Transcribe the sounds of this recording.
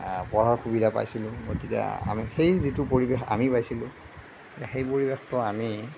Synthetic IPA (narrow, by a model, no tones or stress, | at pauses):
pɔɹaɹxubidʱapa̰jsilʊ̃ɡotitia̰a̰mixejzitʊpoɹibexa̰mipajsilʊ̃ | tɛxejpoɹibextɔami